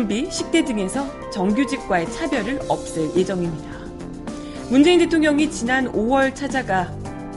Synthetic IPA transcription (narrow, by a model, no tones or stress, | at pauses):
mbiɕʰik̚t͈e̞dɯŋe̞sʰʌ | t͡ɕʌŋɡjud͡ʑik̚k͈wae̞t͡ɕʰabjʌɾɯɾʌp̚s͈ɯɾje̞d͡ʑʌŋimɲida | mund͡ʑe̞inde̞tʰoŋɲʌŋit͡ɕinanowʌɭt͡ɕʰad͡ʑaɡa